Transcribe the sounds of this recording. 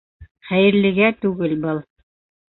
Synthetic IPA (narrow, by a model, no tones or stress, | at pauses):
χæjɘ̆ɾlɘ̆ɡæt̪ʉɡɘlbɤlˠ